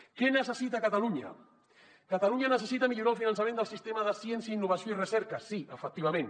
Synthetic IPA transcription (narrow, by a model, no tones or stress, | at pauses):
kɛnəsəsit̪akat̪aluɲə̰ | kat̪aluɲanəsəsit̪əmiʎuɾalˠfinansamẽnd̪əlˠsist̪emaðəsjensjəinːuβ̞ɐsjoirəsɛɾkəsiəfək̚t̪iβ̞ɐmẽn